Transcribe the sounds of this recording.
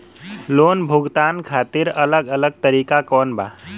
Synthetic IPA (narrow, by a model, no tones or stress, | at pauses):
loːnbʱʊɡt̪aːnkʰaːt̪ɪɾɐləɡələɡ̚t̪əɾiːkakɔːnba̰ː